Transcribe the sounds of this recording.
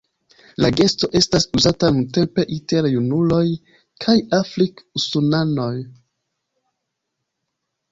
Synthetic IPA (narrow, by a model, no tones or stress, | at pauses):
laɡe̞sto̞ʔe̞stasuzatanunte̞mpe̞ʔite̞ɾjunulo̞j | kʰajafɾikusunano̞j